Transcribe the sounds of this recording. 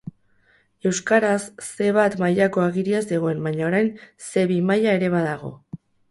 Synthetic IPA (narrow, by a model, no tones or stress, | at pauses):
e̞wskaɾasːe̞βat̪majako̞aɣiɾiazd̪e̞ɣ̞o̞e̞mbaɲaoɾajnse̞βimajae̞ɾe̞β̞aðaɣ̞o̞̰